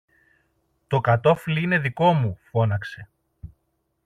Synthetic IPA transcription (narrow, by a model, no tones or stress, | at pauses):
t̪o̞kɐt̪o̞fliine̞ðiko̞mufo̞nɐkse̞